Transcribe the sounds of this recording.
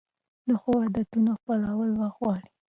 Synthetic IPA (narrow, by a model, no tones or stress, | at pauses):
d̪əxowad̪at̪unoxpalawəlwəxwɑɽi